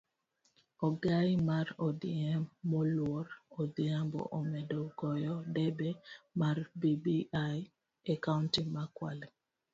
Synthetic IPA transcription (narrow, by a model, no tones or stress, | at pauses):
ɔɡamaɾɔdɪɛmːɔlwɔɾɔdiambɔ̰ʔɔmɛdɔɡɔjɔdɛbɛmarbibiaj | akauntimakwa̰lɛ